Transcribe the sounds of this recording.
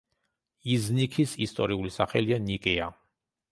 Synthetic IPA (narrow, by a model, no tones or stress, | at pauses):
iznikʰisist̪ʼɔɾiulisaχɛlianikʼɛa